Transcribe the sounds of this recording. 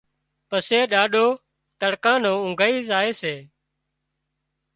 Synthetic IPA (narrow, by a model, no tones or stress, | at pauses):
pəseːɗaːɗoː | t̪əɽkãːnõːʊŋɡʱːiːzaːeːseː